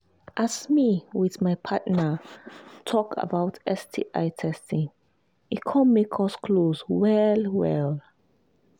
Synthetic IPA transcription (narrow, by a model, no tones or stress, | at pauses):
ʔasmiwɪðmajpʰatnə | tʰɔkʰə̰bawtʰɛstʰḭʔaɪtʰɛstĩŋ | itkʰɔ̃nmekʰɔskʰlozwɛlwɛl